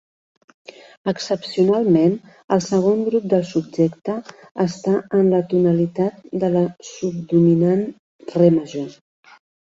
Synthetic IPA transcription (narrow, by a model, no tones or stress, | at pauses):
əksəpsiunalˠmen | əlˠsəɣ̞oŋɡɾup̚d̪əlˠsub̚d͡ʒɛkt̪əː | st̪aənlət̪unəlit̪at̪̚d̪ələsub̚d̪uminan | reməʒo